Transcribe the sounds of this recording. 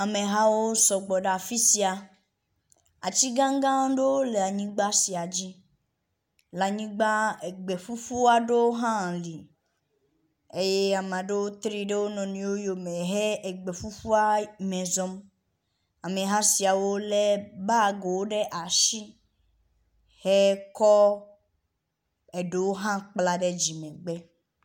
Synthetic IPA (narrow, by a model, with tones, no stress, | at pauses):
a˨mẽ˨ɦa˦wo˦sɔ˨ɡ͡bɔ˨ɖa˨fi˦si˨a˨ | a̰˨t͡ɕi˦ɡã˦ŋ˦ɡã˦ɖo˦o˦le˨a˨ɲĩ˦ɡ͡ba˦si˨a˨d͡ʑi˦ | la˨ɲĩ˦ɡ͡ba˦e˨ɡ͡be˨fu˦fu˦a˦ɖe˦wo˦ɦã˦˨li˨ | e˦je˦a˨mã˨ɖe˦wo˦t̪ɾi˦ɖe˦wo˦nɔ̃˨nĩ˨wo˦jo˨mẽ˨ɦe˦e˨ɡ͡be˨fu˦fu˦a˦mẽ˨zɔ˦m | a˨mẽ˨ɦã˦si˨a˨wo˦le˦ba˦˨ɡo˨wo˦ɖe˦ʔa˨ʃi˦ | he˦kɔ˦ | e˨ɖe˦wo˦ɦã˦k͡pla˦ɖe˦d͡ʒi˨mɛ̃˨ɡ͡bɛ˦